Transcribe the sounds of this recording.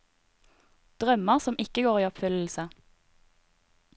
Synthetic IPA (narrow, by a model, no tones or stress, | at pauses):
d̪̥ʁœməʁsɔmʔɪkəɡoːʁiːɔpfʏll̩sə